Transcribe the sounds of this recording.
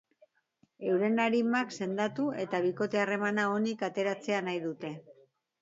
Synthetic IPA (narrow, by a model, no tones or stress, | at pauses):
e̞wɾe̞naɾimakse̞nd̪at̪ue̞t̪aβ̞iko̞t̪e̞are̞manao̞nikat̪e̞ɾat͡se̞anajðut̪e̞